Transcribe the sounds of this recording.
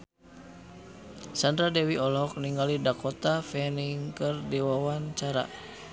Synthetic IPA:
sandɾadɛwiɔlɔk̚niŋɡalidakɔt̪afɛniŋkərdiwawant͡ʃaɾa̰

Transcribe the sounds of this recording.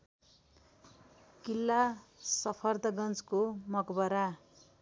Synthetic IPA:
kilːasʌpʰʌrd̪ʌɡʌnt͡skomʌkbʌɾa

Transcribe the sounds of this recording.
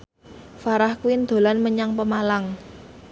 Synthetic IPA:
faɾahkuwɪnd̪̥o̤lanməɲaŋpəmalaŋ

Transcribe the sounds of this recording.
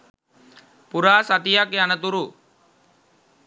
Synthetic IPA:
puɾaːsat̪ijakeanət̪uɾu

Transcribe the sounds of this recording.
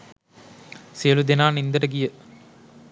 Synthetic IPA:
sijəlud̪enaːnind̪əʈəɡijə

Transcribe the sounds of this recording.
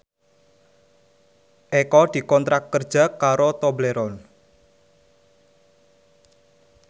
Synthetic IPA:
ʔekɔd̪̥i̤kɔnt̪ɾakːərd̥ʒ̥a̤kaɾot̪obleɾɔn

